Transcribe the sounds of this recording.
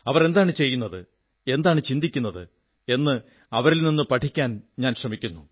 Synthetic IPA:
ɐʋɐrɾe̞nd̪aːɳɨt͡ɕe̞jːunːɐðɨ | e̞nd̪aːɳɨt͡ɕind̪ikʲːunːɐðɨ̰ | e̞nːɨ | ɐʋɐɾilninːɨpɐʈʰikʲːaːnɲaːnɕrɐmikʲːunːu

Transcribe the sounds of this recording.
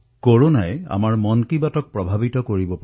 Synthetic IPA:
koɹonaja̰maɹmɔnkibatɔk̚pɹɔbʱabitɔkoɹibɔpa

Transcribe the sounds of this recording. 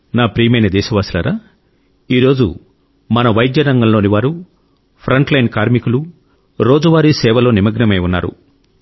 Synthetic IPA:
naːpɾiːmɐjnɐd̪ɛːʃɐʋaːslɐːɾaː | iːɾo̞ːd͡ʒṵ | mɐnɐʋɐjd̪jɐɾɐŋɡɐmlo̞ːniʋaːɾu | pʰɾɐɳʈlɐjnkaːɾmikulu | ɾo̞ːd͡ʒuʋaːɾisɛːʋɐlo̞ːnimɐɡnɐmɐjunːa̰ːɾṵ

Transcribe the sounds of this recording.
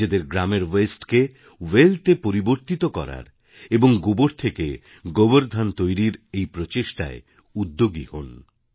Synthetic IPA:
ed̪eɾɡɾameɾwesʈke | weltepoɾiboɾt̪it̪okɔ̰ɾa̰ɾ | eboŋɡuboɾt̪ʰeke | ɡoboɾd̪ʱant̪ojɾiɾejpɾot͡ɕeʃʈa̰e | ud̪ːoɡiho̰n

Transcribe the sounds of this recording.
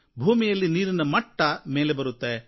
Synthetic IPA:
bʱuːmijɐlːiniːɾinɐmɐʈːɐmeːlebɐɾut̪ːe

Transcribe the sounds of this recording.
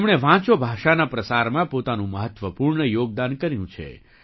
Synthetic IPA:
mɽ̃eʋãt͡ʃobʱaʃanapɾəsaɾmãpot̪anũməɦət̪ʋəpuɾɳəjoɡ̚d̪ankəɾjũt͡ʃʰḛ

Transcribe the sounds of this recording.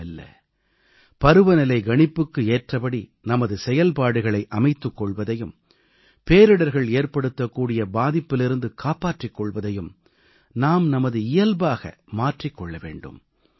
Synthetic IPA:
ɐlːɐ̰ | pɐɾɯʋɐnɪlɐɪɡɐɳɪpːɯkːɯeːʈrɐpɐɽinɐmɐðɯsɛjɐlpaːɽɯɣɐɭɐɪʔɐmɐɪt̪ːɯkːɔɭʋɐðɐjɯm | peːɾɯɽɐɾɣɐɭeːɾpɐɽɯt̪ːɐkːuːɽɪjɐbaːðɪpːɪlɪɾɯnd̪ɯkʰaːpaːʈrɪkːɔɭʋɐðɐjɯm | naːmnɐmɐðɯɪjɐlbaːɣɐ̰ | maːʈrɪkːɔɭːɐʋḛːɳɖɯ̰m

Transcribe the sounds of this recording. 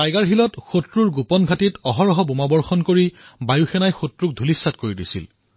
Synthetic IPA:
tajɡaɹɦilɔtxotɹuɹɡupɔnɡʱatitɔɦɔɹɔɦɔbumabɔɹxɔnkoɹibajuxɛnajxotɹuk̚dʱulisːat̚koɹidisḭl

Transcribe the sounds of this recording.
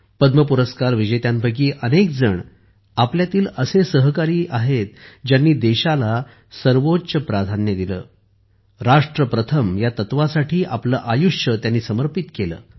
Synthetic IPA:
pəd̪məpuɾəskaɾʋid͡ʑəjt̪jãnbʱəɡiːʔənek̚d͡zəɳ | apljat̪iːləsesəɦkaɾiːʔaɦet̪̚d͡ʑjanːiːd̪eɕala | səɾʋotːɕəpɾad̪ʱanjəd̪ilə̰ː | ɾaʂʈɾəpɾət̪ʰəmjat̪ət̪ʋasaʈʰiːʔapləːʔajuʂət̪janːiːsəməɾpit̪kelə̰ː

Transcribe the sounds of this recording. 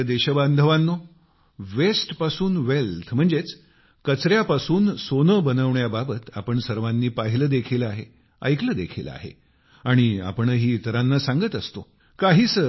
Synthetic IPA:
d̪eɕəband̪ʱəʋanːo | ʋesʈpasuːnʋelt̪ʰm̤əɳd͡zet͡s | kət͡sɾjapasuːnsonəbənəʋɳjababət̪a̰pəɳsəɾʋanːiːpaɦiləːd̪ekʰiləaɦe | ə̰jkləd̪ekʰila̰ɦḛ | aɽ̃ia̰pəɳəɦiːt̪ɾãnːasãŋɡət̪əst̪o | kaɦiːsə

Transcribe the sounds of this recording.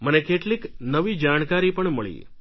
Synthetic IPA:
mənekeʈliknəʋid͡ʒaɽ̃kaɾipəɳməɭḭ

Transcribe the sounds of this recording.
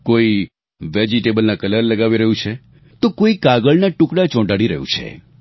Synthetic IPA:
koi | ʋed͡ʒiʈebəlnakələɾləɡaʋiɾəɦũt͡ʃʰe | t̪okoikaɡəɭnaʈũkɽat͡ʃɔ̃ɖaɽiɾə̰ɦjṵ̃t͡ʃʰḛ

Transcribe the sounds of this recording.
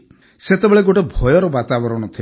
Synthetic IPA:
set̪ebeɭeɡoʈebʱɔjɔɾɔbat̪abɔɾɔɽ̃ɔt̪ʰi

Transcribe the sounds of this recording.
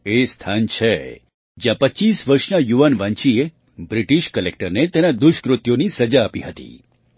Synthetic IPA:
est̪ʰant͡ʃʰe | d͡ʒjãpəːt͡ʃisʋəɾʃnajuʋanʋãɲt͡ʃie | bɾiʈiʃkəlek̚ʈəɾnet̪enad̪ʊʃkɾʊt̪jonisəd͡ʒaːpiɦət̪ḭ

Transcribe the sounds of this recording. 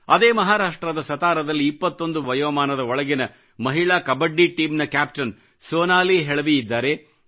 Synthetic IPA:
ɐd̪eːmɐɦaːɾaːʂʈɾɐd̪ɐsɐt̪aːɾɐd̪ɐlːiːpːɐt̪ːo̞nd̪uʋɐjɐʋɐmaːnɐd̪ɐɔɭɐɡinɐ | mɐɦiɭaːkɐbɐɖːiʈiːmnɐkaːpʈɐn | soːnaːliːɦeɭɐʋiid̪ːaːɾe

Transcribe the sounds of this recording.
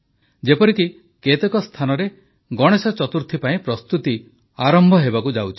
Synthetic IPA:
d͡ʒepɔɾiki | ket̪ekɔst̪ʰanɔɾe | ɡɔɽ̃esɔt͡ʃɔt̪uɾt̪ʰipaĩpɾɔst̪ut̪i | aɾɔmbʱɔɦebakud͡ʒawt͡ʃʰi̥

